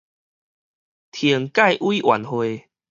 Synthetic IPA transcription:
t̪ʰjə˨˩əŋka˥˧˨jʔwiː˦ʔwa̰˨˦nhwe˧

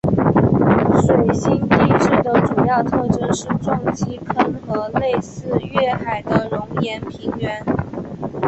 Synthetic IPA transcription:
ʂwe˨˩ɪɕi˥nt͡ɕi˥ʂ̩˥˩d̪ə˩ʈ͡ʂu˨˩jɑ˥˧ʊt̪ʰɤ˥˧ʈ͡ʂɤ˥nʂɻ̩˥˩ʈ͡ʂʊ˥ŋt͡ɕi˥kʰə˥nxɤ˧˥le˥˧ɪsɹ̩˥˧ɥɛ˥˩xa˨˩ɪd̪ə˦ɻʊ˧˥ŋjɛ˧˥npʰi˧˥ŋɥɛ˧˥n

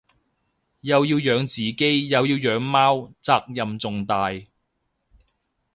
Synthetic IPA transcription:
jɐ˨˧wjiː˧wjœː˨˧ŋt͡siː˨ke˥jjɐ˨˧wjiː˧wjœː˨˧˥ŋmaː˥wt͡saː˧k̚jɐ˨mt͡sʊ˨ŋt̪aː˨˧j

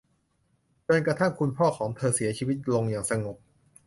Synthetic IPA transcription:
t͡ɕo˧nkɾa˧t̪ʰa˥˩ŋkʰu˧npʰɔː˥˩kʰɔː˩˦ŋt̪ʰɤː˧si˩˦ɐt͡ɕʰiː˧wi˦˥t̪̚lo˧ŋjaː˨˩ŋsa˧ŋo˨˩k̚

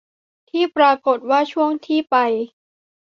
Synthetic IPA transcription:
t̪ʰiː˥˩pɾaː˧ko˨˩t̪̚waː˥˩t͡ɕʰu˥˩əŋt̪ʰiː˥˩pa˧j

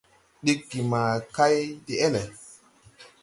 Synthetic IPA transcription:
ɗi˦kɡi˨ma˨ka˦jdi˨ɛ˦lɛ˨

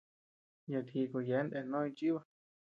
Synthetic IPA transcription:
ja˨t̪ʰi˧˨ko˨je˨˦nd̪e˧˨nõ˦ĩ˧t͡ʃi˦βa˦˧

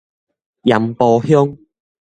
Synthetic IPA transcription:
jɐ˨mpɔː˨˧hʊ˥ŋ

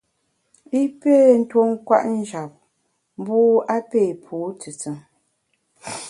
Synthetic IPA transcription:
i˦pe˦˨n̩˦two˦ŋ˦kwa̰˦ʔn̩˦d͡ʒa˨p̚ | m̩˦buː˦a˦peː˦˨pʰuː˨˦tɨ˨t͡sɨ˨ŋ

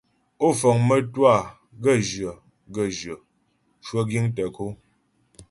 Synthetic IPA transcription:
o˦˨fɔ˨ŋmə˦twa˦˨ | ɡə˦˨d͡ʒə˨ | ɡə˦˨d͡ʒɥə˨ | ʃwə˦ɡi˦ŋtə˨ko˦

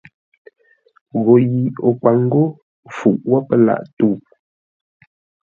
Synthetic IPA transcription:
ɣo˨ji˨o˨kwa˨ŋ˦ɡo˦ | fu˨ʔwɔ˦pə˦la̰˦˨ʔtu˦˨

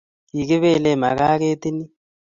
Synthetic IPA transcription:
ji˨k̬i˦βɛ˦˨lɛ˨ma̰˨ka˦k̬e˦t̪i˦ni˦

